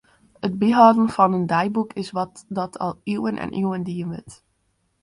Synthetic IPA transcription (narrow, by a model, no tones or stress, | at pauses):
əd̚biɦaːdən̩fɑnəndɛjbukʰɪsʋɑtdɑtʰɑ̰lˠywənʔɛ̰nʔiwəndiənʋɪ̰t